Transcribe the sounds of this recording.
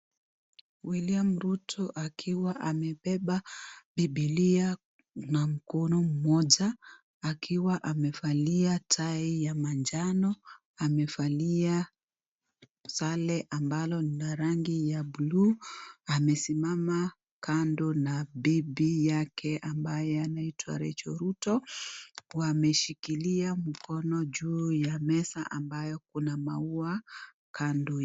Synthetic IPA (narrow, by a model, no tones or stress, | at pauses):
wiliam̩ɾutʰɔʔakʰiwaʔamɛɓɛɓaɓiɓilia | nam̩kɔnɔm̩mɔʄaː | kʰiwaʔamɛfaliatʰaijamand͡ʒanɔ | amɛfalia | salɛʔambalɔnnaɾaŋɡijabuluamɛsimama | kandɔnabibijakɛʔambajɛanaitwa̰ɾɛ̰t͡ʃɔ̰ɾutɔ | wamɛʃikiliam̩kɔnɔd͡ʒuːjamɛsa̰ʔambajɔk̚unamaua | kʰandɔ